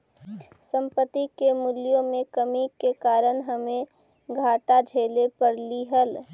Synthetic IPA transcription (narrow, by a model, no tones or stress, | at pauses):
sə̃mpət̪ikemulijõmẽkəmikekaːɾənɦəmẽ | ɡʱaːʈad͡ʒʱeːlepəɾliɦəl